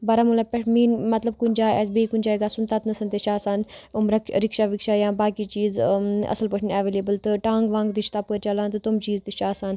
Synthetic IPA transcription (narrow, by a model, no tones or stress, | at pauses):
bɐɾamulapeʈʰmiːnmɐt̪lɐb̚kunʲd͡ʒaːɛ̰s̬beːikunʲd͡ʒaːeɡaːsunt̪aːt̪nɐsɐnt̪eʃaːsaːnumɾɐkɾikʃaːʋikʃaːjãːbaːkit͡ʃiːzɐ̰səlpɐʈʰnɛʋeːleːbəlt̪ɨʈãːŋɡʋãːŋɡd̪it͡ʃʰt̪aːpəɾt͡ʃɐlãːnt̪ɨt̪umt͡ʃiːzt̪iʃaːsaːn